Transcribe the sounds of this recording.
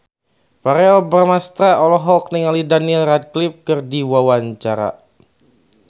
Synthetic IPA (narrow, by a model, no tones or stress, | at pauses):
paɾɛlbərmast̪ɾaʔɔlɔɦɔk̚niŋalidanilrad̪̚klɪp̚kɨrdiwawaɲt͡ʃaɾa̰